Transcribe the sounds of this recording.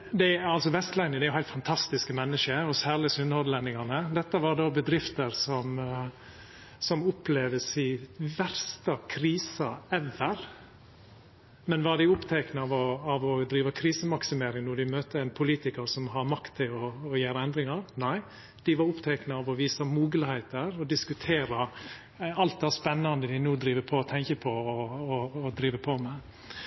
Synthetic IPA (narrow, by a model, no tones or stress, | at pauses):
d̪ɛɑlsɔʋɛst̪læɪnɪəd̪ɛæɾjʊhæɪlt̪fɑnt̪ʰɑst̪ɪskəmɛnːəʃəɔsæːɭəsʏnhɔd̪lɛnːɪŋɑnəd̪ɛt̪ːəʋɑɖoːbəd̪ɾɪft̪əɾsɔm | sɔmʊpʰleːʋəsɪʋæɾst̪əkʰɾiːsəɛʋəɾ | mɛnʋɑɖɪʊpt̪ʰɛːknəɑʋɔɑʋɔd̪ɾiːʋəkʰɾiːsəmɑksɪmeːɾɪŋnɔɖ̪ɪmøːt̪əæɪnpʰʊliːt̪ɪkəɾsɔmɦɑɾmɑkt̪ʰːɪlɔːjæːɾəɛnd̪ɾɪŋɑɾnæɪ | d̪ɪʋɑɾʊpt̪ʰɛknəɑʋɔʋiːsɑmuːɡələhɛɪt̪əɾɔd̪ɪskʉt̪ʰeːɾə | ɑlt̪̚d̪æspɛnːɑnd̪əd̪ɪnuːd̪ɾiːʋəpʰɔɔt̪ʰɛŋkəpʰɔː | d̪ɾiːʋəpʰɔmɛ